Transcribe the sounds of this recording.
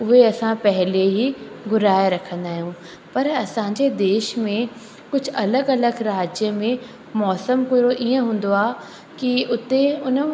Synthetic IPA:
ʊɦeɐsãpɛɦɪleɦiɡʊɾaːjeɾɐkʰə̃n̆d̪aːɦijũː | pɐɾɐsãɲd͡ʑed̪eːʃmẽ | kʊd͡ʑʱʊ̆ɐləɡɐləɡɾaːd͡ʑjəmẽ | mɔːsəmkʊɾoʔiə̃ɦũːn̆d̪oaː | kiʊt̪eʊn

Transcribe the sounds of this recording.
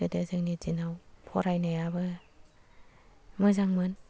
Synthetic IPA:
ɯdɯzɯŋnizinawpʰɔɾajnajabɯ | mɯzaŋmɯn

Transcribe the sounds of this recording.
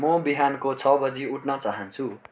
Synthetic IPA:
mʌbiɦankot͡sʰʌbʌd͡ziuʈnʌt͡saɦʌnt͡sʰu

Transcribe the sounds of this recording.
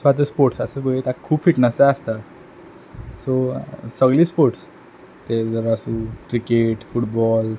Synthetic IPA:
sʋad͡z̪əspoɾʈsəsəbəɡet̪akʰuːbfiʈnəsaəst̪a | sosəɡɭiːspoɾʈs | t̪ed͡zəɾasũːkɾikeʈfuʈbɔl

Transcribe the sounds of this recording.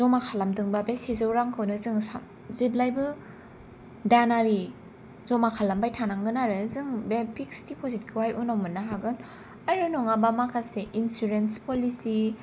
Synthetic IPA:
zɔmakʰalamdɯŋbabesizɯwɾaŋkʰɯwnɯzɯŋsa | ziblajbɯ | danaɾi | zɔmakʰalambajtʰanaŋɡɯnaɾɯzɯŋbepikstipʰozit̚kʰɯwajʔunawmɯnːaɦaɡɯn | aɾunɔŋabamakʰaseʔinsuɾenspolisi

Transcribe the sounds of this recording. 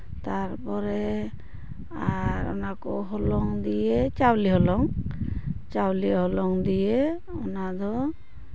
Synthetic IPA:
t̪aɾpɔɾɛ | aɾɔ̰nakɔɦɔlɔŋd̪ijet͡ʃawliɦɔlɔŋ | t͡ʃawliɦɔlɔŋd̪ije | ɔnad̪ɔ

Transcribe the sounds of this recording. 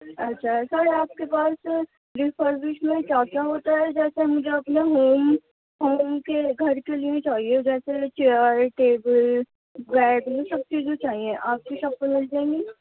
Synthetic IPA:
ɐtːʃʰaɦɛsaːɾeaːp̚kepaːs | ɾifʰəɾbɪʃmẽkaːkaɦoːt̪aɦɛd͡ʒɛːsemʊd͡ʒʱeɐpneɦoːm | ɦoːmkeɡʱɐɾkelijẽt͡ʃaːɦied͡ʒɛːset͡ʃeəɾʈeːbəl | ɡɛːɖjõsɐb̚t͡ʃiːzẽt͡ʃaːɦiẽʔaːp̚kiʃɐbkəmɪld͡ʒãːẽŋɡiː

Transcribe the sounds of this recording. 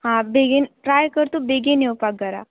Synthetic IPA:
ɦãːbeɡenʈɾaːjkəɾt̪obeːɡeneopaɡɐɾa̰

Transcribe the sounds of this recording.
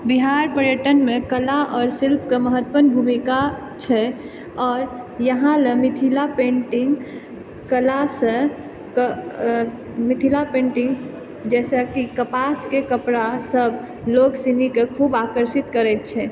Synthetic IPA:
biɦaɾpəɾjəʈənmẽkəlaʔɔːɾsilpkeməɦət̪pənbʱumika | t͡ʃʰɛ | ɔːɾ | jəɦãlemɪt̪ʰilapẽɳʈɪŋɡ | kəlasə | k | mit̪ʰilapẽːɳʈɪ̃ŋɡ | d͡ʒɛːsakikəpaskekəpɾasəb | loɡsinikekʰuːbakəɾsit̪kəɾɛt̪̚t͡ʃʰɛ

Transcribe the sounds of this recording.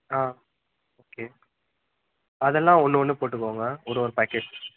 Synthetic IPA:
aː | oːkeː | ɐðɛlːãːɔnːɯɔnːɯpoːʈ̬ːɯkːoːŋɡɐɔɾɯɔɾɯpæːkːeːʈ

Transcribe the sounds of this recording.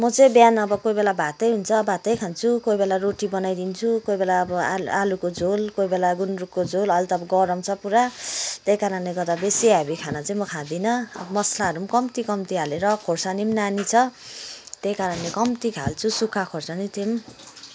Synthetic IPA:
mʌt͡saĩbjanʌbʌkojbelabʱat̪ʌjɦunt͡sʰʌbʱat̪ʌjkʰant͡sʰukojbelaɾoʈibʌnajd̪int͡sʰukojbelaʌbʌaalukod͡zolkoibelaɡunrukːod͡zolʌlt̪ʌpɡʌɾʌmt͡sʰʌpuɾat̪ejkaɾʌnleɡʌrd̪abesiɦabikʰanʌt͡saĩmʌkʰãd̪inʌʌ̰bʌmʌslaɦʌɾumkʌmt̪ikʌmt̪iɦʰaleɾʌkʰorsanimnanit͡sʰʌ | t̪ejkaɾʌnlekʌmt̪ikʰa̰lt͡sʰusukʰakʰorsanit̪ʰem

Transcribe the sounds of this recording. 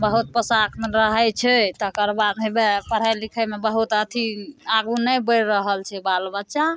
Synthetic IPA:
bəɦut̪̚pəsaknɾəɦɛt͡ʃʰɛt̪əkəɾbad̪mebepəɾ̤əjlikʰəjmebəɦut̪ət̪ʰiaɡunəjbəɾɾəɦəlt͡ʃʰɛbalbətːʃa

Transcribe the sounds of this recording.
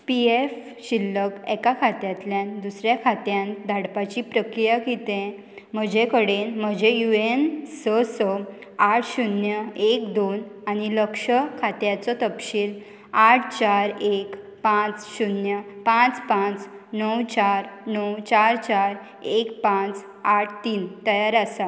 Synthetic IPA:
pief | ɕilːəkɛkakʰat̪jat̪ljãnd̪usɾjakʰat̪jãnd̪ʱaɽpat͡ɕipɾəkɾijakit̪ẽ | m̤əd͡ʑekəɽenm̤əd͡ʑejuensəsəaʈʰɕunjəekd̪onañiləkʂəkʰat̪jat͡sɔt̪əpɕiːl | aʈʰt͡ɕaɾek | pãt͡sɕunjəpãt͡spãt͡snəwt͡ɕaɾnəwt͡ɕaɾt͡ɕaɾ | ekpãt͡s | aʈʰt̪iːnt̪əjaɾasa

